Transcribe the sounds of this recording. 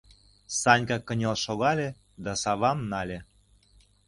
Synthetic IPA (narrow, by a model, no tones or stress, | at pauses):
sɑnʲkɑkːənʲelʃoɣɑlʲe | d̪ɑsɑβɑmnɑlʲe